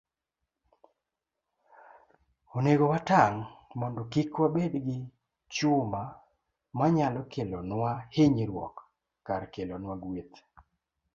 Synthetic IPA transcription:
oneɡowataŋmɔndɔkikwabedɡɪ | t͡ʃʊma | maɲalɔkelonwaheɲiɾwɔ̰kː | aɾkelonwaɡwet̪

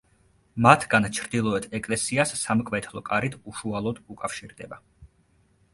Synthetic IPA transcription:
mat̪ʰɡant͡ʃʰɾd̪ilˠɔɛt̪ʰɛkʼlɛsiasːamkʼvɛt̪ʰlˠɔkʼaɾit̪ʰuʃualˠɔd̪ukʼafʃiɾd̪ɛba

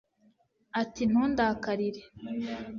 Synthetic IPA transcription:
atin̥huːndakaɾiɾe

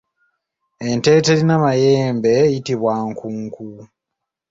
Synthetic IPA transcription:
e̞nte̞ːte̞ɾinamaje̞ːmbe̞jitiβwaːŋkuːŋku

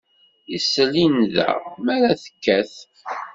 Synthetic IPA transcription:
isəlːinðæ̰mæɾæθə̥kːæθ

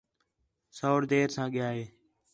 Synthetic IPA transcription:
soːɽd̪eːɾsãːɠɪjaːɦeː

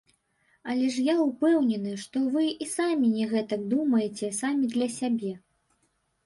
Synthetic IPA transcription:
ɐlʲɛʂ̬jaupɛwnʲɛnɨʂt̪ɔvɨisamʲinʲɛɣɛt̪ɐkd̪umɐjɛt͡sʲɛsamʲid̪lʲɐsʲabʲɛ

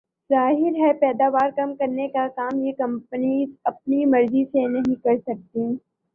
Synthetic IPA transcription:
zaːɦɪɾɦɛpɛːd̪aːʋaːɾkɐmkɐɾnekakaːmjekɐ̃mpəniɐp̚nimɐɾzisenɐɦĩkɐɾsɐk̚t̪i

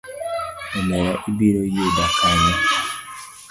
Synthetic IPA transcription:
emɛjaʔibiɾojudakaɲa

